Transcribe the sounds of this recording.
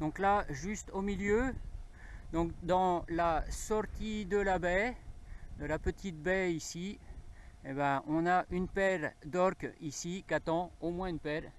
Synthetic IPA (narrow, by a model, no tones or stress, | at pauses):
d̪ɔ̃klaʒyst̪omiljø | d̪ɔ̃kd̪ɑ̃lasɔʁt̪ʰid̪əlabɛ | d̪əlapət̪ʰit̪̚bɛisi | ebɛɔ̃naʔynpɛʁd̪ɔʁkisikat̪ɑ̃omwɛ̃ynpɛʁ